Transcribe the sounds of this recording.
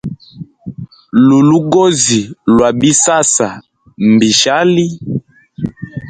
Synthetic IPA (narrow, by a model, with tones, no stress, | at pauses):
lu˨lu˦ɡo˦zi˨lwa˨bi˦sa˦sa˨ | m˨bi˨ʃa˦li˦